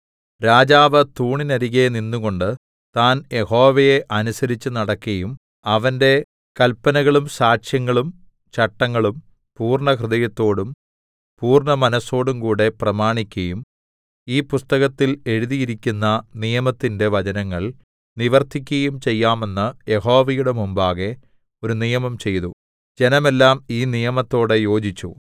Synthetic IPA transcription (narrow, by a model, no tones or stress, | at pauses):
ɾaːd͡ʑaːʋɐt̪uːɳinɐɾiɣeninːuɣo̞ɳɖɨ | t̪aːnje̞ho̞ːʋɐjeʔɐnusɐɾit͡ɕːɨnɐɽɐkːɐjum | ɐʋɐnde̞ | kɐlpːɐnɐɣɐɭumsaːʂjɐŋːɐɭum | t͡ɕɐʈːɐŋːɐɭum | puːrɳɐkrɨðɐjɐt̪ːo̞ːɽum | puːrɳɐmɐnɐsːo̞ːɽumkuːɽe̞prɐmaːɳikʲːɐjum | iːpust̪ɐɣɐt̪ːile̞ɻuðijiɾikʲːunːɐnijɐmɐt̪ːinde̞ʋɐd͡ʑɐnɐŋːɐɭ | niʋɐrt̪ʰik̬ʲːɐjumt͡ɕe̞jːaːme̞nːɨjeɦo̞ːʋɐjuɽe̞mumbaːɣe̞ | o̞ɾunijɐmɐmt͡ɕe̞jt̪u | d͡ʑe̞nɐme̞lːaːmiːnijɐmɐt̪ːo̞ːɽejo̞ːd͡ʑit͡ɕːṵ